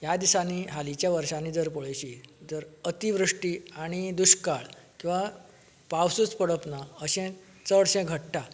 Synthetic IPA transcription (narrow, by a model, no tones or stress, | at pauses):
jad̪isaniɦalit͡ɕjaʋəɾʂanid͡zəɾpəɭəjt͡ɕid͡zəɾət̪iʋɾuʂʈiaɽ̃id̪uɕkaɭkĩw̃ʋa | paʋsut͡spəɽəpnaəɕɛ̃ | t͡səɽɕɛ̃ɡʱəʈʈa